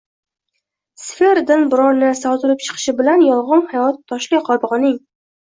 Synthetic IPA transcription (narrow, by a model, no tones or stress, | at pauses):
sfeɾd̪ɪnbɪɾɒɾnɪsɒwzɨɾɪpt͡ʃʰɨ̥qʰɨ̥ʃɪbɪlanjɒlˠʁɨnhajɒt̪ʰːɒʃlɪqʰɒɾbʁnɪŋ